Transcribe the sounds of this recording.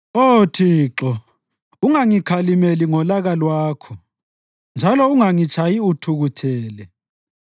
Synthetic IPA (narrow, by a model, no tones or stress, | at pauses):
otʰiːǁɔ | uŋaŋikʰalimeliŋɔlaɣalwaːkʰɔ | nd͡ʒʱalɔuŋaŋit͡ʃʰajiutʰuɣutʰɛːlɛ